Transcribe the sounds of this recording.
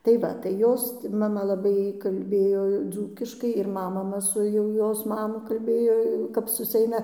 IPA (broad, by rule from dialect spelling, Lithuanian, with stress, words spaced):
tɐɪ ˈʋɐ tɐɪ ˈjoːs mɐˈmɐ lˠɐˈbɐɪ kɐlʲˈbʲeːjoː ˈd͡zuːkʲɪʃkɐɪ ɪr ˈmɐ mɐˈmɐ sʊ jɛʊ ˈjoːs ˈmɑːmʊ kɐlʲˈbʲeːjoː jɛʊ kɐp sʊsʲɪˈɛɪnɐ